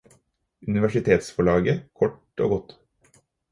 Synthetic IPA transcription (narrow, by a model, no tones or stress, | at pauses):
ʉnɪʋæʂɪt̪ʰeːt̪sfɔɭɑːɡəkʰɔʈ | o̰ːɡɔt̪